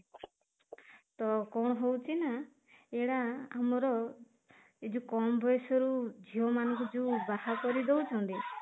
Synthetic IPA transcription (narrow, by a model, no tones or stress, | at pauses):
t̪ɔkɔɽ̃ɔɦowt͡ʃʰina | eɽaamɔɾɔ | id͡ʒukɔmɔbʱɔjsɔɾud͡ʒʱiɔmanɔŋkud͡ʒubahakɔɾid̪owt͡ʃʰɔnt̪i